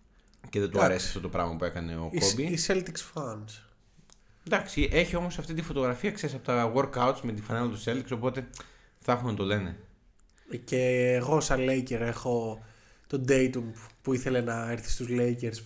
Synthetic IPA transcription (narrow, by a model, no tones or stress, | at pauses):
ce̞ðet̪uɐɾe̞siɐft̪o̞t̪opɾɐ̰ɣmɐpue̞kɐne̞o̰kobbiiselt̪iksfɐns | d̪ɐksiʔe̞çio̞mo̞sɐft̪it̪ifo̞t̪o̞ɣɾɐfiɐkseɾsɐpot̪ɐwo̞ɾkɐut̪sme̞t̪ifɐnelot̪u̥se̞lt̪ikso̞po̞t̪e̞ | θɐxunɐt̪o̞le̞ne̞ | ceːɣo̞sɐle̞jceɾe̞xo̞ | t̪o̞d̪ejt̪umpuiθe̞lenɐeɾθi̥st̪uzle̞jceɾs